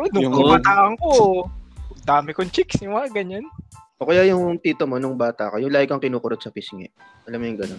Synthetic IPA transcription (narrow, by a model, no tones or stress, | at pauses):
ɛnʊŋkɐmɐt̪aːʔɐŋko | d̪aːmɪkoŋt͡ʃiksɪwaɡɐɲanʔoːkɐjaːjʊŋt̪iːt̪omonʊŋbaːt̪ɐ̰kojʊŋlaːhɪkɐŋkɪnuːkʊɾot̪̚sɐpisŋɪ̰ | ʔɐlamːojʊŋɡɐnon